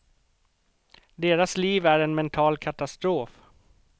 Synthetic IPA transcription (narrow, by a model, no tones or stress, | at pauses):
d̪eːɾasliːvæɾɛnmɛnt̪ʰɑːlkʰat̪ast̪ɾoːf